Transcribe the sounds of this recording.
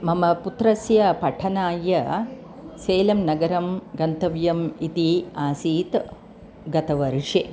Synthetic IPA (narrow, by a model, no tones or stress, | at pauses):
mɐmɐput̪ɾɐsjɐpɐʈʰɐnaːjɐ | seːlɐmnɐɡɐɾɐmɡɐnt̪ɐʋjɐmit̪iaːsiːt̪ | ɡɐt̪ɐʋɐɾʂeː